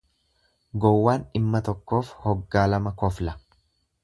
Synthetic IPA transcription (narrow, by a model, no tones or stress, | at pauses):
ɡɔwːaːnɪmːɐt̪ɔkːo̞ːfhɔɡːaːlɐmɐkɔflɐ